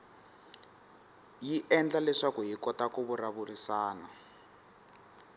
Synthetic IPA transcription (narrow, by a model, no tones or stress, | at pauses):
jiʔɛnd͡ɮalɛʂakuɦikɔtakuβuraβurisaːna